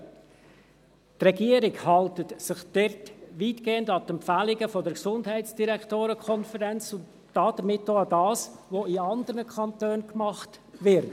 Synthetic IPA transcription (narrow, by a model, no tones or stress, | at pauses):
trɛɡiəɾɪkhɑltətsɪχd̥ɛɾtʋiːtɡ̥eːəndɑt̪ɛmpfælɪɡəfɔdəɾksʊndhɛɪtsd̥iɾɛktoːɾəkʰɔnfəɾɛnt͡sʊntːɑːd̥əɾmɪtːoːɑdɑːsʋoiɑnd̪əɾnəkʰχɑntøːnkmɑχtʋɪɾt